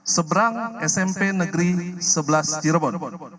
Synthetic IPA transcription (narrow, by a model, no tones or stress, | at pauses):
səbəɾaŋɛsɛmpenəɡɾisəbəlast̪iɾbɔn